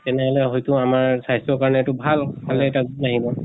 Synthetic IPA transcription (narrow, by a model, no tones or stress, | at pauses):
tɛnɛɦɔlɛɦojtʊamaɹsajsɔkaɹɔnɛːtubʱalkʰalɛːtaɡnaɦibɔ